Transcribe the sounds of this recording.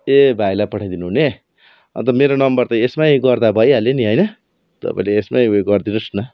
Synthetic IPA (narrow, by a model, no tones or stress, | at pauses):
ebʱajlapʌʈʰaj̃d̪inuɦune | ʌ̰nt̪ʌmeɾonʌmbʌrt̪aesmajiɡʌrd̪abʱʌjɦʌleniɦʌjnʌ | t̪ʌ̰pa̰ĩleːsmajɡʌrd̪inusnʌ